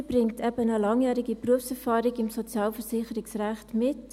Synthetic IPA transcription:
b̥rɪŋtʰɛbənəlɑŋjæːɾɪɡipruəfsɛʁfɑːɾɪɡɪmsot͡sjɑːlfəsɪχəɾɪksræχtmɪt

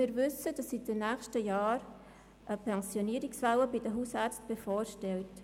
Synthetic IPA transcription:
ɪːɾvʏsəd̥ɑsːit̚d̥ənæːxʃtəjaːɾ | ʔəpʰɛnsjoniːɾɪksfɛləbɪdəɦusɛɾt͡stb̥efɔːɾʃtɛlt

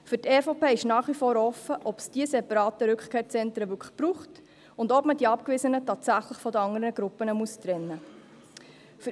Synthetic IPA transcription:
fʏɾtɛːfoːpeːɪʃnɑːχʋifoːɾɔfəʔɔpsd̥iəsɛpɑɾɑːtəɾʉkχkʰeːɾt͡sɛntɾəʋʏkʰə̥b̥ɾuːχt | ʊndɔpməd̥iɑpkvɪsənətɑːtsæχləχfɔd̪əɑŋəɾənəɡ̥ɾʊpːənəmuəst̪ɾɛnːə | f

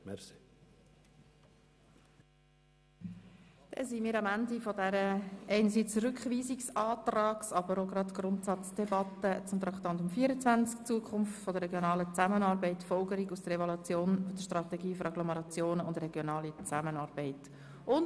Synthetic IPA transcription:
mɛsi̥ | d̥ɛ̰nsimiːɾɑmændifɔdɛɾəɛɪnəsiːt͡srʏkχʋiːziksɑːt̪rɑːksɑb̥əɾoɡɾɑtɡ̥ɾʊntsɑt͡sd̥ɛbɑt̪ət͡sʊmt̪ɾɑkχt̪ɑnt̪ʊmfiːɾət͡svænt͡skt͡suəkʰχʊmftfɔdəɾɛɡjonɑːlət͡sæmənɑːɾbɛɪtfɔlɡəɾiɡusd̥̪əɾɛvɔlut͡sjoːnfɔd̥əʃtrɑt̪ɛɡiːfɔɾɑɡlɔmɛɾɑt͡sjoːnəʊndɾɛɡjonɑːlit͡sæmənɑːɾbɛɪt | ʊn

